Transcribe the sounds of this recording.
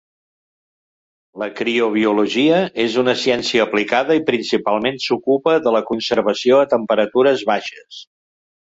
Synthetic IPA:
ləkɾioβ̞iuluʒiəezunəsiɛnsiəːplikaðəipɾinsipalˠmensukupəðələkunsəɾβəsioət̪əmpəɾət̪uɾəzβaʃəs

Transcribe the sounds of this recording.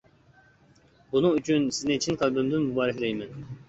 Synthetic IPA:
bunʊŋyt͡ʃʰynsɪznɪt͡ʃʰinqʰɑlˠbymd̪ɪnmubɑːɾɪhʲlɛjmɛn

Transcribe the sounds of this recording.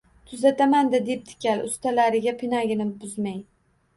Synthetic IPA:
t̪ʰʊzat̪ʰamand̪ɪd̪ep̚t̪ʰɪ̥kʲʰalʊ̰st̪ʰalaɾɪɡʲapʰɪnaɡʲɪnɪbʊzmaj

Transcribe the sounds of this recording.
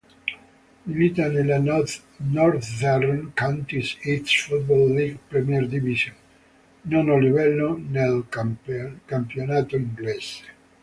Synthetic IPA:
imit̪anelan | nɔɾt̪darɔnkawnt̪isit̪sfut̪̚bolːiɡpɾɛmjɛɾd̪ivisonː | ɔnolivɛlːonel | kampjonaːt̪oiŋɡlɛs

